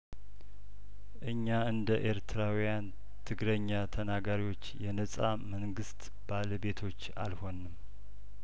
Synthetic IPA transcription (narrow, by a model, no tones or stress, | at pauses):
ʔɨɲːaɨnd̪əʔeɾt̪ʰɨɾawijan | t̪ʰɨɡɾəɲːat̪ʰənaɡaɾiwo̞t͡ʃːjɛnəsʼaməŋɡɨst̪ | b̥aləbe̞t̪ʰo̞t͡ʃːa̰lho̞nːɨm